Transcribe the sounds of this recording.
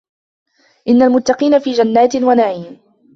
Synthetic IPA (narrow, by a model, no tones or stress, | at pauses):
ʔɪnːalmʊt̪ːɑqiːnafiːd͡ʒanːaːt̪ɪnwanaʕiːm